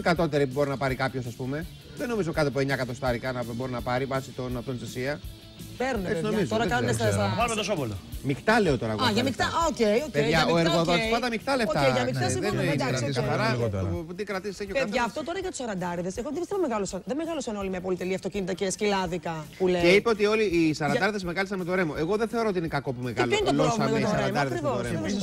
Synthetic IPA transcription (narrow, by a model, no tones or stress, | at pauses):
kɐt̪o̞t̪e̞ɾiubo̞ɾinɐpɐɾikɐpço̞sɐspume̞ | ðeno̞mizokɐt̪epueɲɐkɐt̪o̞st̪ɐɾikɐnɐboɾinɐpɐɾivɐsit̪o̞nɐft̪onsesiɐ | peɾuneepseinoɐmizt̪oɾɐkɐest̪ɐsɐvɐlumet̪osopolomixt̪ɐle̞o̞t̪o̞ɾɐɣɐʝɐmikt̪ɐoceiocpeʝɐoeɾɣoðosspɐd̪ɐmikt̪ɐleot̪ɐeiʝɐmikkt̪ɐsiðed̪ɐsɐɾɐɣot̪ot̪ikɾɐt̪isiseçiopeɐðʝɐːft̪o̞t̪o̞ɾɐʝɐt̪u̥sɐɾɐnd̪ɐɾiðe̞seɣoðebist̪eɐmeɣɐlosɐnðemeɣɐlosɐno̞limɐpo̞lit̪eliɐft̪o̞cinit̪ɐcescilɐðikɐpuleeipeo̞t̪io̞liːsɐɾɐnɐɾiðezmeɣɐlisɐnmet̪oɾe̞moʔeɣo̞ðenθe̞o̞ɾooinekɐko̞pumeɣloinetoɾoɐsɐɾɐɐmd̪ɐɾiðɐkɾiooɾem